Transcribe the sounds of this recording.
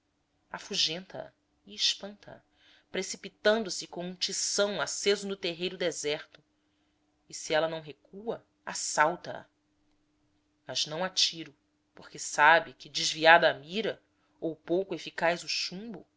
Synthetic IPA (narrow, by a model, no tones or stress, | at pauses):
afuʒẽnt̪ɐɐ̰ | iːʃpɐ̃nt̪ɐɐ̰ | pɾesipit̪ɐ̃nd̪ʊsɪkõũt͡ʃisɐ̃w̃asezʊnʊt̪eɦejɾʊd̪ezɛɾt̪ʊ | ɪsiɛlɐnɐ̃w̃ɦekuɐ | asawt̪ɐɐ̰ | mɐznɐ̃w̃at͡ʃiɾʊ | poχkɪsabɪkɪd͡ʒɪʒviad̪ɐːmiɾɐ | owpowkʊefikajzʊʃũmbʊ̰